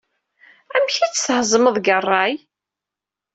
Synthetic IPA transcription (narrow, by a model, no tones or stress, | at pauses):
æmçit͡sːshzˤməðˤɡərˤːɑj